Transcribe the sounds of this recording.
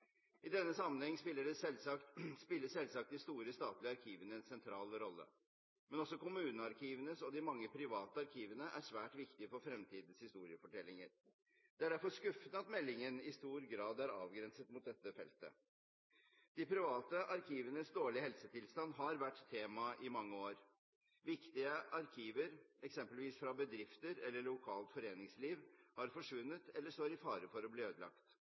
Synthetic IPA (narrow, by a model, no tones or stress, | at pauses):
ɪd̪ɛnːəsɑmːənhɛŋːspɪlːəɖɛsɛlsɑk̪spɪlːəsɛlsɑk̚t̪̚d̪ɪst̪uːɾəst̪ɑːt̪lɪəɑɾkʰiːʋənəɛnsɛnt̪ʰɾɑːlɾɔlːə̰ | mɛnɔsɔkʊmʉːnəɑɾkʰiːʋənəsɔd̪ɪmɑŋːəpʰɾɪʋɑːt̪əɑɾkʰiːʋənəʔæ̰ʂʋæːʈʋɪkt̪ɪfɔɾfɾɛmt̪ʰiːd̪n̩shɪst̪uːɾɪəfɔʈɛlːɪŋəɾ | d̪̥ɛæɖæɾfɔʂkʉfənəɑt̪mɛlːɪŋənɪst̪uːɾɡɾɑːd̪æɾɑ̰ːʋɡɾɛnsət̪mʊt̪̚d̪ɛt̪ːəfɛlt̪ə̰ | d̪̥ɪpʰɾɪʋɑːt̪əʔɑɾkʰiːʋənəsd̪oːɭɪɦɛlsət̪ʰɪlst̪ɑnːɦɑɾʋæʈːt̪ʰːeːmɑʔɪmɑŋːəoːɾ | ʋɪkt̪ɪəʔɑɾkʰiːʋəɾɛksɛmpəlʋiːsfɾɑbəd̪ɾɪft̪əɾɛlːəɭʊkʰɑːlt̪fɔɾeːnɪŋsliːʋhɑɾfɔʂʋʉnːət̪ɛlːəʂt̪oːɾɪfɑːɾəfɔɾɔbliːøːd̪əlɑ̰kt̪